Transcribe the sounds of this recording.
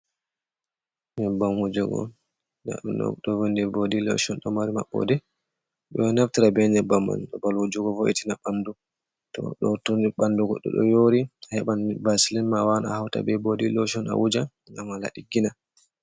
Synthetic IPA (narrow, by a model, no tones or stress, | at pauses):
ɲɛbamud͡ʒɔɡɔ̰ | na̰ɗṵnɔ̰ɗɔvondɛbodilɔ̰ʃɔnɗɔmaɾimaɓːɔ̰dɛ | ɓɛnaftiɾabɛɲɛbːamːa̰nɗɔbalud͡ʒuɡɔvoʔitinaɓandu | tɔ̰ɗɔtundiɓanduɡɔ̰ɗːɔ̰ɗɔ̰joːɾihɛɓanbasilɛnmawanahawta̰bɛbodilɔʃɔna̰wud͡ʒa | ŋamala̰ɗiɡina